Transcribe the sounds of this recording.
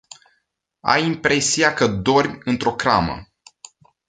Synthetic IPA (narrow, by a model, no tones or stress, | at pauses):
a̰jimpɾe̞siakəd̪o̞rʲbʲɨnt̪ɾo̞kɾa̰mə̰